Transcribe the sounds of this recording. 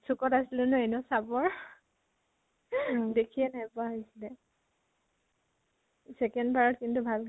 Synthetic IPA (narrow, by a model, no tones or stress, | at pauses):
sukɔtasilʊnʊɛnʊsabɔɹ | dekʰiɛnapʊaɦojsilɛ | sɛkɛndbaɹɔtkintubʱal